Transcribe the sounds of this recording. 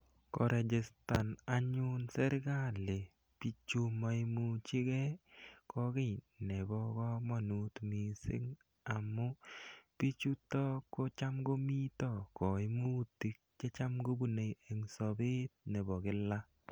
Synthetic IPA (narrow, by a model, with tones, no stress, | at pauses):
kɔ˨ɾɛ˨d͡ʒɪ˨sta˨na˦ɲʊ˦nsɛ˦ɾɡa˦le˨ | pi˦t͡ʃu˦ma˨i˦mu˦t͡ʃɪ˦kɛ˦kʰɔ˦ɡɪ˦˨ | nɛ˨bɔ˦kɔ˦mɔ˨nu˦t̪mi˨sɪ̰˦ŋ | a˨mʊ˦pi˦t͡ʃu˦tɔ˦ko˦t͡ʃa˦mɡo˦mi˦tɔ˦kɔ˨ɪ˦mu˦tːi˦k̚t͡ʃe˦t͡ʃa˦mɡo˦bu˦ne˨je˨ŋsɔ˨bɪ˦t̪̚ne˨bɔ˨kɪ˦la˦